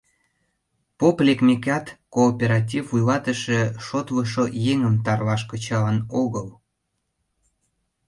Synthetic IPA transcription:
poplʲekmʲekɑt̪koːpʲeɾɑt̬ʲivːujlɑt̪əʃeʃot̪ləʃojeŋəmt̪ɑrlɑʃkə̆t͡ɕɑlənoɣəl

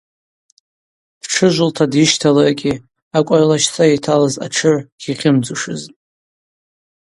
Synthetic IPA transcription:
fʈ͡ʂʰɨʒʷʊltʰadiʃtʰalarɡʲi | akʷʼaʕlaʃt͡sʼaitʰalaza̰ʈ͡ʂʰɨrɡ̥ʲiχʲɪmd͡zuʂɨzʼ

